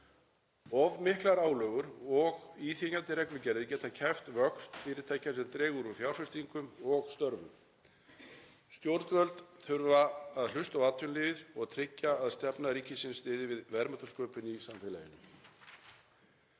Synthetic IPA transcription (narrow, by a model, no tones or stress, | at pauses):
ɔvmɪhklaɾaːwlœːɣʏɾɔɣiθiɲat̪ɪɾɛknʏcɛɾðɪcɛːt̪acʰɛft̪vœkst̪fɪːɾɪɾ̥t̪ʰeːjcːansɛɾt̪ɾɛːɣʏɾʏθjawɾ̥fɪst̪iŋkʏmɔɣst̪œɾvʏ̰m | st̪jowɾt̪vœlt̪nθʏɾvaːðl̥ʏst̪awaːt̪ʰʏnlɪːvɪðɔɣat̪ʰɾɪcːaːðst̪ɛpnaɾiːcɪsɪnst̪ɪːðɪvɪðvɛɾmat̪ḁskœːpɪnisaɱfɪla̰jɪnʏ